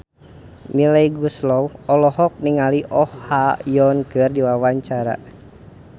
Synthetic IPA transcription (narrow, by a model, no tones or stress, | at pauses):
milɛiɡuslɔwɔlɔɦɔk̚niŋaliʔɔhhajɔnkɨrdiwawaɲt͡ʃaɾa̰